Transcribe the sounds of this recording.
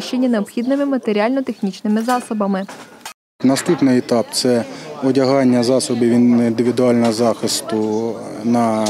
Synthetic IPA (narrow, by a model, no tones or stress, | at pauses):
ʃt͡ʃenʲːɐneɔpxʲid̪nɪmɪmɐt̪eɾʲiɑlʲnɔt̪exnʲit͡ʃnɪmɪzɑsɔbɐmɪ | nɐst̪upnɪjit̪ɑpt̪sɛɔdʲɐɦɑnʲːɐzɑsɔbiwind̪ɪʋʲɪd̪ʊɑlʲnɔɦɔzɑxɪst̪ʊnɐ